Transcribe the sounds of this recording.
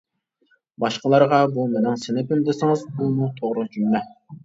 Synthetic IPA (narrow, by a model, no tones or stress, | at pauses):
bɑʃqəlˠɑɾʁɑbumenɪŋsɪnɪpɪmd̪ɪsɪŋɨzbunut̪ʰoʁɾʊd͡ʒʰymlɛ